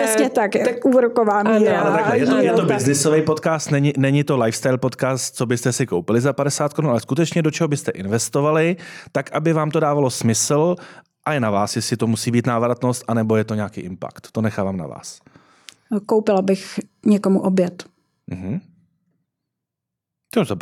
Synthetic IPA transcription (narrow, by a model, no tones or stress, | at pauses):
ɛsɲɛt̪akt̪akʔuːɾokovaːmialɛt̪aɛjɛt̪ojɛt̪obɪznɪsovɛjpot̪kaːst̪nɛɲɪnɛɲɪt̪o̞lajfst̪ajlpo̞t̪kaːst̪̚t͡so̞bɪst̪ɛsɪkowpɪlɪzapadɛsaːt̪̚koɾunalɛskut̪ɛt͡ʃɲɛdot͡ʃɛɦobɪst̪ɛʔɪnvɛst̪ovalɪt̪akʔabɪvaːmt̪o̞daːvalo̞smɪsl̩ | ʔajɛnavaːsjɛslɪt̪omusiːbiːt̪naːvɾat̪nost̪ʔanɛbo̞jɛt̪o̞ɲaːkḭːʔɪmpa̰kt̪tːo̞nɛxaːvaːmna̰va̰ːs | kowpɪlabɪxɲɛkomuʔobjɛt̪ | m̩ɦm̩ | t̪oza